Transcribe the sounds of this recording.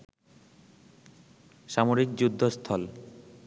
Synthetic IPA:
ʃamoɾikd͡ʑud̪ʱːost̪ʰɔl

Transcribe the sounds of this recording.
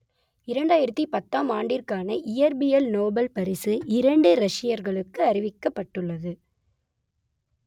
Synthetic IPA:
ɪɾɐɳɖaːjɪɾɐt̪ːipɐt̪ːaːmaːɳɖɪrkaːnɐʔɪjɐɾbɪjɛlnoːbɐlpɐɾɪsɯʔɪɾɐɳɖɯɾɐʂɪjɐɾɣɐɭɯkːɯɐɾɪʋɪkːɐpːɐʈːɯɭːɐðɯ

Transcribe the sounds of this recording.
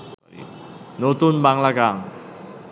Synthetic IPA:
not̪unbaŋlaɡaŋ

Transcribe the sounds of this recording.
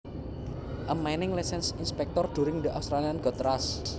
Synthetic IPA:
ʔəmːajnɪŋlasɛnsinspɛk̚t̪ɔrd̪̥ṳɾɪŋd̪əʔawfst̪ɾalianɡɔt̪ɾas

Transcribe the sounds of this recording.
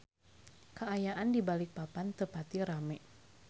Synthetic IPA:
kəajaʔandibalɪk̚papant̪əpat̪iɾamɛ

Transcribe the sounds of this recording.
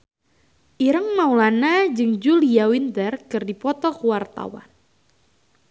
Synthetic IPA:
ʔiɾəŋmaulanad͡ʒɨŋd͡ʒuliawint̪ərkɨrdipɔt̪ɔkuwart̪a̰wa̰n

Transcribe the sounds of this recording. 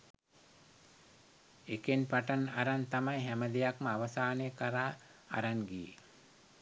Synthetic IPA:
ekenpaʈanaɾant̪amajɦæməd̪ejakməaʋəsaːnekəɾa̰ː | ɾanɡijḛ

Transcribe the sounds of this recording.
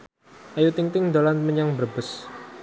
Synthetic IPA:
ʔajut̪iŋt̪ɪŋd̪olanməɲaŋbərbʊs

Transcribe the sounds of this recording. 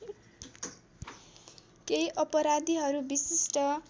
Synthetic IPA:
kejʔʌpʌɾad̪iɦʌɾubisisʈʌ

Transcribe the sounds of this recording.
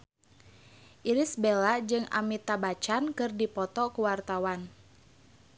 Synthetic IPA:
ʔiɾisbelad͡ʒɨŋʔa̰mit̪abat͡ʃankɨrdipɔt̪ɔkuwart̪awan

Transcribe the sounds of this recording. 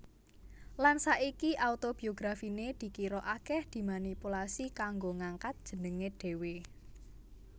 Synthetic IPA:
lansaʔikiʔaut̪ob̥i̤oɡɾafined̪̥i̤kiɾoʔakɛhd̪̥i̤manipulasikaŋɡoŋaŋkat̪̚d̥ʒ̥ə̤nəŋeɖ̥e̤we

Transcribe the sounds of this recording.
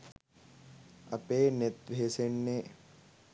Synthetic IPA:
ɐpeːnet̪̚ʋʱeːseɳːe

